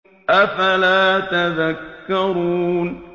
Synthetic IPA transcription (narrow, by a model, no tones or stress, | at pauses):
ʔafalaːt̪aðakːɑɾuːn